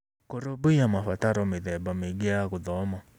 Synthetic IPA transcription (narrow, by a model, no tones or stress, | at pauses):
koɾobʊamafataɾɔmɪðɛbameɡɪaɣʊðɔmɔ